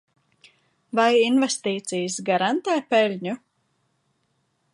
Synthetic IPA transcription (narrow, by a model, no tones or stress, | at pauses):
vajinvɛst̪iːt̪sijəsɡaɾant̪ɛːpɛlʲɲu